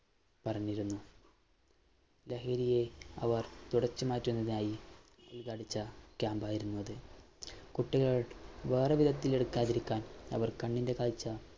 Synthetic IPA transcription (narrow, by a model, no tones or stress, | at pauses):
pɐrɐɲːiɾunːu | leɦɐɾije̞ɐ̰ʋɐrt̪uɽɐt͡ɕːɨmaːtːunːɐðinaːji | ulkaːɽit͡ɕːɐkʲaːmbaːjiɾunːuɐðɨ | kuʈːiɣɐɭʋe̞ːrɐʋid̪ʱɐt̪ːile̞ɽukːaːðiɾikʲːaːnɐ̰ʋɐrkɐɳːinde̞kaːlt͡ɕːɐ